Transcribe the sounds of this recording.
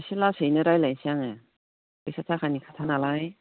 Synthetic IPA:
ɕilːasɯjnɯɾajlajnsiaŋe | ɯsʰatʰakanikʰat̪ʰanalaj

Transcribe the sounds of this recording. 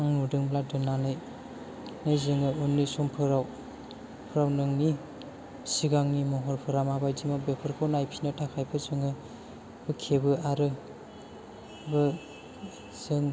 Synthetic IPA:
aŋnudɯŋbladɯnanɯj | najzɯŋɯɯnːisɔmpʰɯɾaw | pʰɯɾawnɯŋni | siɡaŋnimɔɦɔɾpʰɯɾamabajdimabepʰɯɾkʰɔnajpʰinɯtʰakʰajpʰɯzɯŋɯ | bɯkʰebɯaɾɯ | bɯ | z̥ɯŋ

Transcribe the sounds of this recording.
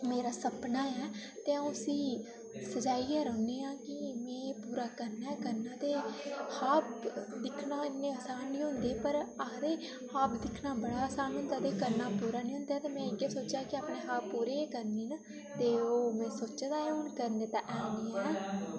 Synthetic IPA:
meːɾaːsəpnaːɛːt̪eːaũəsiː | səd͡ʒaːiːɡɛːɾəːneːãːkɪmɛ̃ːpuːɾaːkəɾnaːɛːkəɾnaːt̪eːhaːp̚d̪ɪkʰnaːɪnːẽːəsaːnːĩːɦʊ̃nd̪eːpəɾad̪eː | haːpʰd̪ɪkʰnaːbəɽaːəsaːnɦʊ̃nd̪aːd̪eːkəɾnaːpuːɾaːnĩːɦʊ̃nd̪aːt̪eːmɛ̃ːɪɡeːsoːt͡ʃjaːkɪaːpneːɦaːppːuːɾeːkəɾniːna | t̪eːoːmɛ̃ːsoːt͡ʃːd̪aːeʊɳkəɾnẽːt̪ã̰ːʔɛːneːɛː

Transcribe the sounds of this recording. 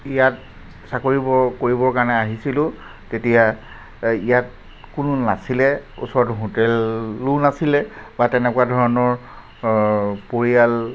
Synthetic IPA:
ijat | sakoɹibɔkoɹibɔɹkaɹnɛaɦisilʊ̃ | tetija | ijat̚ | kʊnʊnasilɛṵsɔɹɔtɦotɛlːunasilɛbatɛnɛkwadʱɔɹɔnɔɹ | poɹijal

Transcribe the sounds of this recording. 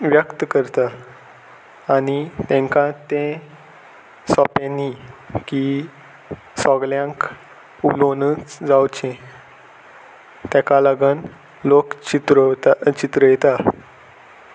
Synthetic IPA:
ʋjəkt̪əkəɾt̪a | nit̪ɛ̃ŋkãt̪ẽ | sɔpẽnːiki | sɔɡljãŋk | ulonət͡sd͡zawt͡ɕẽ | t̪ɛ̃kalaɡən | lokt͡ɕit̪ɾt͡ɕit̪ɾəjɛt̪a

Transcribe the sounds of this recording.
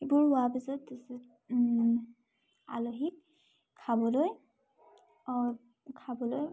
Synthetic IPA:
ebuɹʊwabizɔtz | a̰loɦik̚ | kʰːabɔloj | kʰabɔloj

